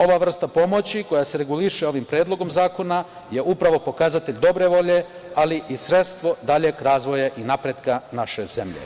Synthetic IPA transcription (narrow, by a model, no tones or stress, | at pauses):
o̞ʋaːʋr̩st̪apo̞mo̞t͡ɕiko̞jase̞ɾe̞ɡuliʃeo̞ʋimpɾjeːd̪lˠo̞ɡo̞mzaːko̞na | jeʔupɾaʋo̞po̞kaːzat̪e̞ʎd̪o̞bɾe̞ʋo̞ʎe̞ | aliʔisɾe̞t̪st̪ʋo̞d̪aʎekɾaːzʋo̞jaʔinapɾed̪kanaʃeze̞mʎḛ